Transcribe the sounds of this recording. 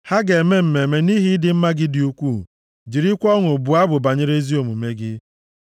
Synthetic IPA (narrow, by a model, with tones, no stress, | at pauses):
ha˦ɡe˨me˦m̩˨me˨me˨ni˦ɦi˦dɪ˦m̩˦ma˦ɡɪ˦dɪ˨u˦kʷu˦˨ | d͡ʒi˨ɾi˦kʷɔ˦ŋʊ˨bʊ˨a˦bʊ˨ba˨ɲɪ˦ɾe˦zi˦o˨mu˨me˦ɡɪ˦